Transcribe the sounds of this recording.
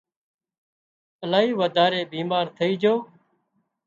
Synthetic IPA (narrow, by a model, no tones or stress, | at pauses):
əlaːɦiːʋəd̪ʱaːɾeːbiːmaːɾt̪ʰəiːd͡ʒoː